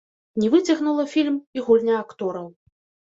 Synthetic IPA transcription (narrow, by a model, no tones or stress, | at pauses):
nʲɛvɨt͡sʲɐɣnulˠɐfʲilʲmiɣɔlʲnʲɐakt̪ɔɾɐw